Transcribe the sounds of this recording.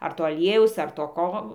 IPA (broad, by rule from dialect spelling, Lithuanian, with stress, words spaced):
ɐr ˈtoː ɐˈlʲiɛjɛʊs ɐr toː ˈkoː